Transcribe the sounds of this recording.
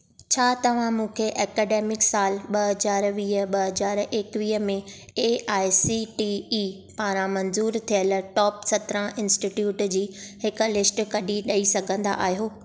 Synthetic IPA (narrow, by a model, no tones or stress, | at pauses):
t͡ɕʰaːt̪ɐʋ̤ãmũːkʰeʔɛːkɛːɖeːmɪksaːlɓɐɦɐzaːɾʋiːɦə̆ɓɐɦɐzaːɾeːkʋiːɦəmẽ | eʔaːɪsiʈiː | paːɾ̃ãmɐ̃nzuːɾt̪ʰijəl̆ʈɔːpsɐt̪ɾə̃ɪ̃nsʈiʈjuːʈd͡ʑiːhɪkʊ̆lɪsʈkɐɗiɗɐisɐɡʱə̃nd̪a̰ʔaːɦijoː